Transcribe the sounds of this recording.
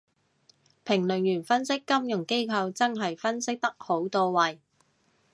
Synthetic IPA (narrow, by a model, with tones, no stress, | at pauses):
pʰɪ˨˩ŋlɵ˨˩njyː˨˩nfɐ˥nsɪ˥kːɐ˥mjʊ˨˩ŋke˥jkʰɐ˧wt͡sɐ˥ŋɦɐ˨jfɐ˥nsɪ˥k̚t̪ɐ˥k̚ho˨˥wt̪oː˧wwɐ˨j